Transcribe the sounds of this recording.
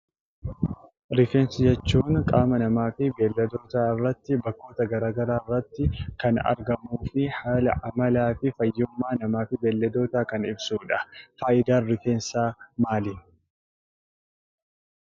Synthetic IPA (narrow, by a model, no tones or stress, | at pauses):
ɾɪfe̞ːnsɪd͡ʒɛt͡ʃːuːŋkʼaːmɐnɐmaːfɪbeːlːɛd̪o̞ːt̪aːɪrːɐt̪ːɪbɐkːo̞ːt̪ɐɡɐɾaːɡɐɾaːɪrːɐt̪ːɪkɐnɐ̰ɾɡɐmuːfɪħaːlɐʔɐmɐlaːfɪfɐjːʊmːaːnɐmaːfɪbeːlːɐd̪o̞ːt̪aːkɐnɪ̰bsuːᶑɐfaːʔɪd̪aːrɪfe̞ːnsaːmaːlɪ